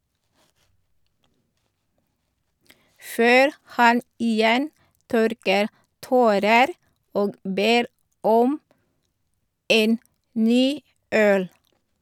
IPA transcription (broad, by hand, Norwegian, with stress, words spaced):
ˈføːɾ ˈhɑn iːˈjɛn ˈtœɾkəɾ ˈtoːɾəɾ ˈoːɡ ˈbeːɾ ˈɔm ˈeːn ˈnyː ˈœl